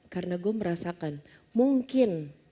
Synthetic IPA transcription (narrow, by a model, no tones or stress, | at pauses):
karənaɡuaməɾasakan | muŋkɪn